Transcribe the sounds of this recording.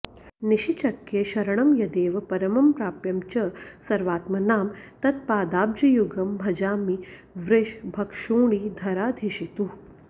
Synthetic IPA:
niʃit͡ʃɐkːjeːʃɐɾɐɳ̃ɐmjɐd̪eːʋɐpɐɾɐmɐmpɾaːpjɐmt͡ʃɐsɐɾʋaːt̪mɐnaːmt̪ɐt̪̚paːd̪aːb̚d͡ʒɐjuɡɐmbʱɐd͡ʒaːmi | ʋɾɪʃbʱɐkʃoːɽ̃iːd̪ʱɐɾaːd̪ʱeʃit̪u

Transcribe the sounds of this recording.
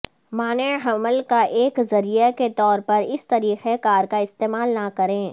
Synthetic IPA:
maːneɦɐməlkaʔeːkzɐɾijaket̪ɔːɾpɐɾɪst̪ɐɾiːxekaːɾkaɪst̪eːmaːlnakɐɾẽː

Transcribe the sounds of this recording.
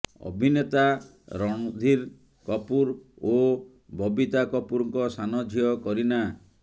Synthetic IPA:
ɔ̰bʱinet̪a | ɾɔɽ̃ɔd̪ʱiɾ | kɔpuɾ | o | bʱɔbit̪akɔpuɾɔŋkɔsanɔd͡ʒʱijɔkɔɾina

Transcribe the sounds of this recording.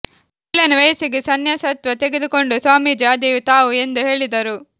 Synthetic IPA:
ilɐnɐʋɐjɐsiɡesɐnjɐsɐt̪ʋɐt̪eɡed̪uko̞ɳɖusʋaːmid͡ʒaːd̪ijut̪aːʋue̞nd̪uɦe̞ːɭid̪ɐɾu

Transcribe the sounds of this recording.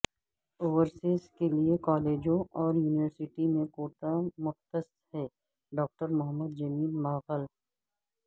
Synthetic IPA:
oːʋəɾseːskeliekɔːleːd͡ʒõʔɔːɾjuːnɪʋəɾsɪʈimẽkoːʈamʊxt̪əs | hɛː | ɖɔːk̚ʈəɾmʊɦəmːəd̪̚d͡ʒɐmiːlmaːɣəl

